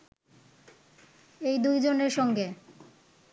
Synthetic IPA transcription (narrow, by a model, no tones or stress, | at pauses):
ejd̪ujd͡ʑoneɾʃɔŋɡe